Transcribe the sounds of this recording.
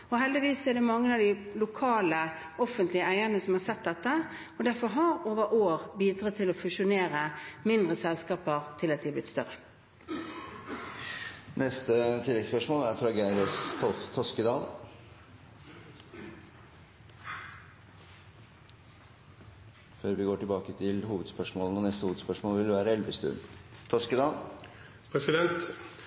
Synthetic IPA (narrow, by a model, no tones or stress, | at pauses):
ɔɦɛld̪ɪʋiːsːɔɛd̪ɛmɑŋːənɑʋd̪ɪlʊkʰɑːlə | ɔfənt̪lɪəæɪəʁnəsɔmhɑɾsɛt̪̚d̪ɛt̪ːə | ɔd̪æɾfɔɾɦɑɾoːʋəʔoːʁbiːd̪ɾɑːt̪ʰɪlɔfʉʃʊneːɾəmɪnd̪ʁəsɛlskɑːpəʁt̪ʰɪlɑt̪̚d̪ɪblɪt̪st̪œɾə | nɛst̪ət̪ʰɪlːɛɡspœʂmoːlæɾfɾɑɡæɪɾəsʰɔt̪ʰɔskəd̪ɑːl | føːɾʋɪɡoːʈɪlbɑːkət̪ʰɪlɦuːʋəd̪spœʂmoːlnɔnɛst̪əhuːʋd̪spœʂmoːlʋɪld̪əʋæːɾəɛlʋəst̪ʉ̰nt̪ʰɔskəd̪ɑːl | pʰɾɛsɪd̪ɛnt̪